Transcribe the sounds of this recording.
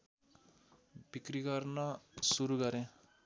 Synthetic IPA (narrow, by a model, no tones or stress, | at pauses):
bikriɡʌrnʌsuɾuɡʌɾẽ